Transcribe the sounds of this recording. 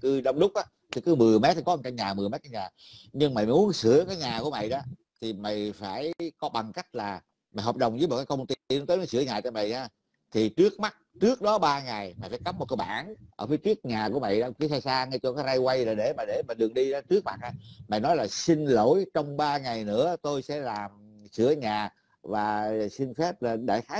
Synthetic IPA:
kɨ˧ɗə˧wŋ͡mɗʊ˦˥k͡p̚ʔaː˨˦ | t̪ʰi˨˩˦kɨ˨˦mɨ˨˩əjme˦˥t̪̚ʰːi˨˩kɔ˨˦ʔŋt͡ɕa˧ŋɲaː˨˩mɨ˨˩əjmɛ˦t̚t͡ɕa˧˦ɲaː˨˩ | ɲɨ˧ŋma̰˨˧˨jm˨u˨˦ənsɨ˧˩˦əkaː˨˦jɲaː˨˩ku˧˩əma̰˧˨jɗɔ˨˦ | t̪ʰi˨˩ma˨jfaː˧˩jkɔ˨˦ɓa˨˩ŋka˦˥jk̟̚laː˨˩ | ma̰˨jɦoː˨˩p̚ɗə˨˩wŋ͡mzɨː˧˨˦m̚˨˩kaː˨˦kə˧wŋ͡mt̪i˧n˧˨˦t̪əː˨˦nɔ˨˦jsɨ˧˩əɲaː˨˩t͡ɕɔ˧ma̰˧˨jɲaː˧ | t̪ʰi˨˩t͡ɕɨ˦˥ək̚ma˦˥t̚t͡ɕɨ˦˥ək̚ɗɔ˨˦ɓaː˧ŋa˨˩jma˨jfaː˧˦jka˨˦˥p̚m˨˩t̚kə˧jɓa̰ː˧˩nʔəː˧˩fi˨˦jt͡ɕi˦˥ək̚ɲaː˨˩ku˧˩əma̰˧˨jɗaː˧ki˨˦saː˧jsaː˧ŋa˧jt͡ɕɔ˧kaː˨˦jza˧jwa˧jlaː˨˩ɗe˧˩maː˨˩ɗe˧˩maː˨˩ɗɨ˨˩əŋɗi˧ɔ˨˦t͡ɕɨ˦˥ək̚maː˨˩a˨˩ma̰˨˧˨jnɔ˨˦jlaː˨˩si˧ŋlo˧˩jt͡ɕɔ˧wŋ͡mɓaː˧ŋa˨˩jnɨ̰˧˥ət̪o˧jsɛ̰˧˥laː˨˩m | sɨ˧˩əɲaː˨˩ | vaː˨˩si˧ŋ̟fɛ˦˥p̚laː˨˩ɗe˧˩xaː˨˦

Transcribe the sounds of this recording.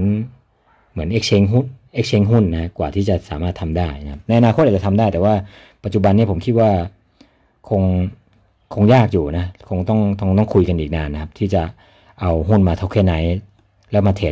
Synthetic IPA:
n | mɯ˩˦ənʔeː˦˥k̚t͡ɕʰe˧˥ŋɦu˥˩nʔeː˦˧˥k̚t͡ɕʰe˧˥ŋɦu˥˩nː˧˦kʰa˦˥kwaː˨˩t̪ʰiː˥˩t͡ɕa˨˩saː˨˩˦maː˥˩t̪ʰːa˧mdaː˥˩ja˦kʰa˦˥p̚na˧jʔa˧naː˧kʰo˦˥t̪̚ʔa˨˩t͡ɕa˨˩t̪ʰmdaː˥˩jt̪ɛː˨˩waː˥˩ | pa˨t̪̚t͡ɕu˨˩ba˧nːi˥˩pʰo˩˦mkʰi˦˥t̪̚waː˥˩ | kʰo˧ŋ | kʰo˧ŋjaː˥˩k̚juː˨˩na˦˥kʰo˧ŋt̪ɔ˥˩ŋt̪ɔ˥˩ŋt̪ɔ˥˩ŋkʰu˧jka˧nʔiː˨k̚naː˧nːa˦˥kʰa˦˥p̚t̪ʰiː˥˩t͡ɕa˨˩ | ʔa˧wɦu˥˩nmaː˧t̪ʰa˦˥˩wkʰɛː˥˩na˩˦j | lɛː˦˥wmaː˧t̪ʰe˨˩

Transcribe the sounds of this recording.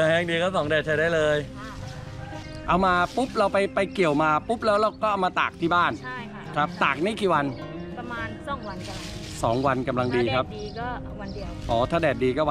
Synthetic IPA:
a˧˩hɛː˥˩ŋdiː˧kɔ˦˥˩sɔ˩˦ŋdɛː˨˩t͡ɕʰa˧˩jdaː˥˩jlɤː˧j | ʔa˧wmaː˧pu˦˥p̚ɾa˧wpa˧jpa˧jki˨˩əwmaː˧pu˦˥p̚lɛː˦˥wlɛː˦˥˩wkɔː˥˩ʔa˧wmaː˧t̪a̰ː˨˩k̚t̪ʰiː˥˩baː˥˩n | kʰɾa˦˥p̚t̪aː˨˩k̚naː˦˥˩kiː˨˩wa˧n | a˧maː˧nɔ˩˦ŋa˧n | sɔː˩˦ŋwa˧nka˧mla˧ŋdiː˧kʰa˦˥p̚ː | wa˧ | ʔɔː˩˦t̪ʰaː˥˩dɛː˨˩t̪̚diː˧kɔː˥˩w

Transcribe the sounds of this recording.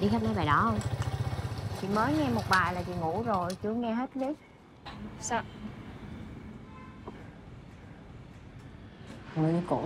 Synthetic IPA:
ɗi˧xɛ˦˥nɔ˨˦jɓaː˨˩jɗɔ˨˦hə˧wŋ͡m | t͡ɕʰḭ˧˨məː˨˦jŋɛ˧mo˨˩t̚ɓaː˨˩jlaː˨˩t͡ɕḭ˧˨ŋu˧˩˥zo˨˩jt͡ɕu˧˦əŋɛ˧ɦe˦˥t̚li˦˥k̚ | sa˧ | ŋɨ˨˩kṵ˧˩

